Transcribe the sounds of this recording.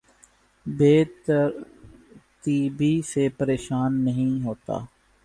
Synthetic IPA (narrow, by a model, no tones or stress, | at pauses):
beːt̪ | t̪iːbʱisepəɾeːʃaːnːəɦĩɦoːt̪a̰ː